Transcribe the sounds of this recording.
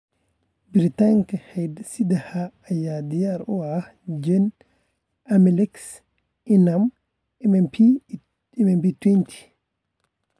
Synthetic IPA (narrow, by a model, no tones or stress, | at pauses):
biɾitaŋkahɛjdsidahaːjadijaɾɔa | d͡ʒɛn | amilɛks | ʔinam | mɛpʰi | imɛmbitwentʰi̥